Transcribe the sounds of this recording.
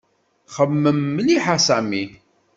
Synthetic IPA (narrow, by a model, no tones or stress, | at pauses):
χəmːəmːəliħasæmi